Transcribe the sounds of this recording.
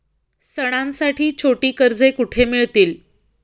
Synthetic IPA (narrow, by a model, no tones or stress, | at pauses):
səɽ̃ãnsaʈiːt͡ɕʰoʈiːkəɾd͡zekuʈʰemiɭt̪iːl